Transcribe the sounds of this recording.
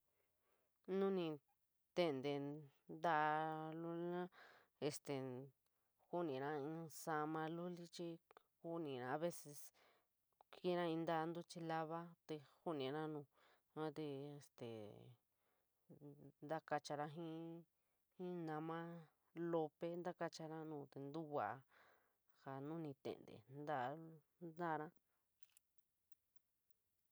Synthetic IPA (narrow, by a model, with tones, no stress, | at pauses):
nũ˦nĩ˧ | t̪e˦˧nd̪e˧ | nd̪a˦ʔlu˦li˦nã˦ | e˧st̪e˨ | hu˦nĩ˨nã˦ĩ˧sa˧mã˧lu˦li˦t͡ʃi˧ | ku˦nĩ˨nã˧a˧βe˦se˧s | ki˦nã˦ĩ˧nd̪a˦˧nd̪u˦t͡ʃi˧la˦βa˦t̪e˧hu˦nĩ˧˨nã˦nũː˧ | ã˦t̪e˧e˧˨st̪ḛ˨ | nd̪a˦ka˧t͡ʃa˧ɾã˧ɦĩ˦ | hĩ˦nã˧mã˦ | lo˧pe˦nd̪a˦ka˧t͡ʃa˧ɾã˦nũː˧˨t̪e˧nd̪u˦wa˨˧ | ha˨nũ˦nĩ˧t̪ḛ˨nd̪ḛ˨nd̪a˦˧ | nd̪a˦˧ɾã˦